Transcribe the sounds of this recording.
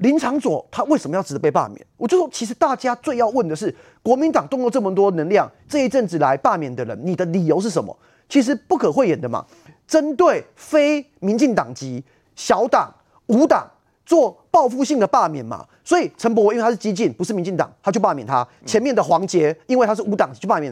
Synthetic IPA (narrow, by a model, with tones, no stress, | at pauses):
li˧˥nt͡sʰɑ˧˥ŋswɔ̰˨˩t̪ʰa˥we˥˩ɪsə˨˩mə˦jɑ˥˩ʈ͡ʂ̩ɻ̩˨˩d̪ə˦pe˥˧ɪpa̰˥˨mjɛ̰˨˩˦nwt͡ɕjo˥˩ʊ˩ʂwɔ˥t͡ɕʰi˧˥ʂ̬̩˧˦t̪a˥˩t͡ɕja˥t͡swe˥˧ɪjɑ˥˧ʊwə˥˩nd̪ə˩ʂ̬ɻ̩˥˩ | kwɔ˧˥mi˧˦nt̪ɑ˨˩ŋt̪ʊ˥˧ŋlo˥˧ʊʈ͡ʂɤ˥˩mə˨˩t̪wɔ˥˨nə˧˥ŋljɑ˥˨ŋʈ͡ʂɤ˥˧i˥˩ʈ͡ʂə˥˧nʈ͡ʂɻ̩˥˩la˧˦ɪpa˥˨mjɛ˨˩nd̪ə˨ɻə̰˧˦nni˨˩d̪ə˦li˨˩jo˧˥ʂ̬̩˥˩ʂə˧˦nmə̰˧˦ | t͡ɕʰi˧˥ʂ̬ɻ̩˧˥pu˥˩kʰə˨˩xwe˥˩jɛ˨˩nd̪ə˨ma̰˨˩ | ʈ͡ʂə˦nt̪we˥˩ɪ | fe˥ɪ | mi˧˥nt͡ɕi˥˩ŋt̪ɑ˨˩ŋt͡ɕi˧˥ | ɕjɑ˧˥ʊt̪ɑ̰˨˩ŋ | u˧˥t̪ɑ̰˨˩ŋ | t͡swɔ˥˧pɑ˥˧ʊfu˥˧ɕi˥˩ŋd̪ə˨˩pa˥˨mjɛ˨˩˦nma̰˩ | swɔ˧˥i˨˩ʈ͡ʂʰə˧˥mp̬wɔ˧˦i˥nwe˥˧a˥ʂ̩˥˩t͡ɕi˥t͡ɕi˥˩npu˧˥ʂɻ̩˥˩mi˧˦nt͡ɕi˥˩ŋt̪ɑ̰˨˩ŋt̪ʰa˥t͡ɕjo˥˧ʊpa˥˩mjɛ˨˩nt̪ʰa˦ | t͡ɕʰjɛ˧˦nmjɛ˥˩nd̪ə˩xwɑ˧˥ŋt͡ɕjɛ˧˥i˥nwe˥˩ɪt̪ʰa˥ʂ̬̩˥˩˨u˧˥t̪ɑ˨˩ŋt͡ɕi˧˦t͡ɕo˥˧˩a˥˩mj